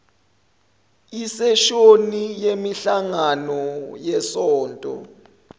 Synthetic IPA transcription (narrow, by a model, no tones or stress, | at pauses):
isɛʃonijemiɬaŋanɔjɛsɔːntʼɔ̰